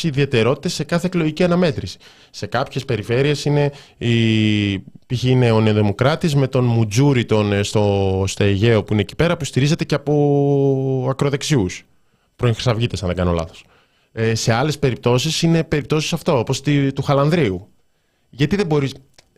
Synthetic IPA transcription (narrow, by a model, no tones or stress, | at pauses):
iðie̞t̪e̞ɾo̞t̪i̥t̪ese̞kɐθeklo̞ʝiciɐnɐme̞t̪ɾisi̥ | se̞kɐpçe̞spe̞ɾife̞ɾie̞sine̞i | piçiineo̞neoðimo̞kɾɐt̪izme̞t̪o̞nmud͡zuɾit̪o̞nst̪ost̪o̞eʝe̞o̞puine̞ːci̥pe̞ɾɐpust̪iɾize̞t̪e̞ceɐpo̞ | ɐkɾo̞ðe̞ksius | pɾo̞ĩŋxɾi̥sɐvʝit̪e̞sɐnðeɡɐno̞lɐ̰θo̞̥s | ese̞ɐle̞spe̞ɾip̚t̪o̞sisine̞pe̞ɾip̚t̪o̞sisɐft̪oopost̪it̪uxɐlɐnðɾiu | ʝɐt̪iðe̞bo̞ɾis